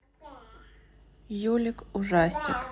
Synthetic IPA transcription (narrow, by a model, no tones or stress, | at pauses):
julʲɪkʊʐasʲtʲɪ̰k